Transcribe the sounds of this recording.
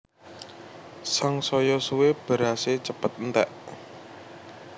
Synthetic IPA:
saŋsɔjɔsuweb̥ə̤ɾaset͡ʃəpət̪̚nt̪ɛʔ

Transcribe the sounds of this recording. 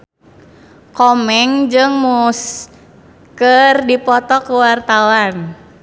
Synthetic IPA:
kɔmɛŋd͡ʒɨŋmus | kərdipɔt̪ɔkuwart̪awan

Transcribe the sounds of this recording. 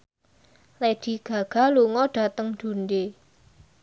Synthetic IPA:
led̪̥i̤ɡ̥ä̤ɡ̥a̤luŋɔɖ̥ä̤t̪əŋd̪̥ṳnɖe

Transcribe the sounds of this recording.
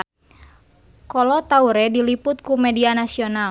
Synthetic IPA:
kɔlɔt̪auɾɛdilipʊt̪̚kumɛdianasional

